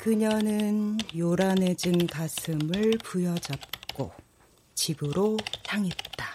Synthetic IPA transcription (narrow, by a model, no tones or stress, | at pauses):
kɯɲʌnɯnjoɾane̞d͡ʑɯŋkasʰɯmɯɭpujʌd͡ʑʌp̚k͈o̰ | t͡ɕibɯɾosʰaŋet̚t͈a